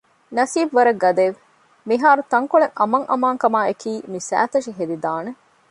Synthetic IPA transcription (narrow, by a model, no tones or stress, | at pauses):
nɐsiːbʋɐɾɐɡːɐd̪eʋ | miɦaːɾut̪ɐŋkoɭeŋɐmɐŋʔɐ̰maːŋkɐmaːekiːmisæ̰ːt̪ɐʃiɦed̪id̪aːne